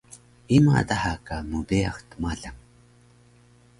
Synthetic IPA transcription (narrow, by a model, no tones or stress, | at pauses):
ima̰d̪ahakamudea̰xt̪maɮaŋ